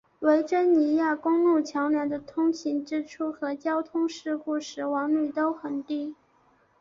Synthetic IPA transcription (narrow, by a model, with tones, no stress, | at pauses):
we˧˥ɪʈ͡ʂə˥nni˧˥ja˥˩kʊ˥ŋlu˥˩t͡ɕʰjɑ˧˥ʊnja˧˥nd̪ə˧t̪ʰʊ˥ŋɕʰi˧˥nʈ͡ʂɻ̩˥ʈ͡ʂʰu˥xɤ˧˥t͡ɕjɑ˥ʊt̪ʰʊ˥ŋʂɻ̩˥˧ku˥˩ʂɻ̩˧˥wɑ˧˥ŋly˥˩t̪o˥ʊxə˨˩nt̪i˥˩